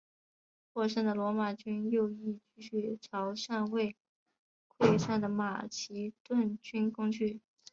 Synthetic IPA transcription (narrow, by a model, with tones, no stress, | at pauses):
kʰwɔ˥˧ʂa˥˩ŋd̪ə˩lwɔ˧˥ma˨˩t͡ɕy˥njo˥˧ʊi˥˩t͡ɕy˥˧ɕy˥˩ʈ͡ʂʰɑ˧˥ʊʂa˥˧nwe˥˩ɪ | kʰwe˥˧ɪʂa˥˩nd̪ə˩ma˨˩t͡ɕʰi˧˥t̪wa˥˩nt͡ɕy˥nkʊ˥ŋt͡ɕʰy˥˩